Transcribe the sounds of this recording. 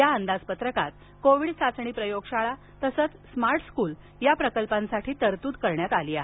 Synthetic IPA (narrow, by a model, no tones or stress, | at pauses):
jaənd̪ad͡zpət̪ɾəkat̪̚ | koʋiːɽsat͡sɳ̃iːpɾəjoɡɕaɭa | t̪əsət͡ssmaɾʈskuːl | japɾəkəlpãnsaʈʰiːt̪əɾt̪uːd̪kəɾɳjat̪aliːaɦe